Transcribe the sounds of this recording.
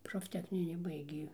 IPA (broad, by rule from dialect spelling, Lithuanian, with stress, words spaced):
proːfʲˈtʲæːxʲnʲɪnʲɪ ˈbɐɪɡʲeː